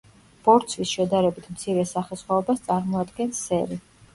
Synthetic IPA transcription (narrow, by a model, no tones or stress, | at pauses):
b̥ɔɾt̪sʰwisʃɛd̪aɾɛbit̪ʰmt̪sʰiɾɛsaχɛsχwaɔbast̪sʼaɾmɔad̪ɡɛnsɛɾi